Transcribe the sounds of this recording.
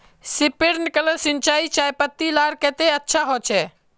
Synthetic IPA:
sipiɾnkələsint͡ʃait͡ʃajpət̪ːilaɾkɛ̃t̪eətːʃʰaɦot͡ʃʰɛ

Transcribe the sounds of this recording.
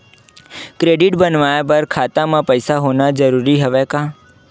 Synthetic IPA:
kɾeɖɪʈbənʋajap̬əɾkʰat̪amãpəjsaɦonad͡ʒəɾuɾiɦəʋekã

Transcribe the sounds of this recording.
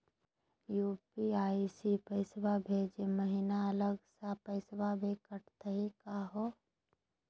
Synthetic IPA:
juːpiaːisipəɪsbabʱed͡ʒeməɦinaələɡsapəɪsbabʱekəʈt̪əɦikaɦo

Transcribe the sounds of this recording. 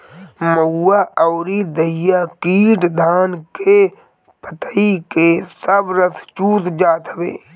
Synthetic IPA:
məɦuːaʔɔːɾid̪əijakiːʈd̪ʱaːnke | pət̪ikesəbɾəst͡ʃuːt̪d͡ʒaːt̪əʋḛː

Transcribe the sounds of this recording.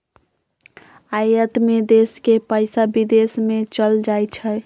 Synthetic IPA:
ajət̪med̪eskepaɪsabid̪esmet͡ʃəld͡ʒajt͡ʃʰə

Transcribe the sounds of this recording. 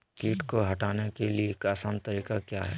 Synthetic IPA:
kiːʈkoɦɐʈaːnekeliekasãːnt̪ɐɾiːkakjaːɦɛ̰ː

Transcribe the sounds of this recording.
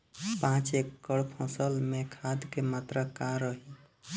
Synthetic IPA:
pãt͡ʃekːəɽpʰõsəlmekʰad̪kemat̪ɾəkaɾəɦi

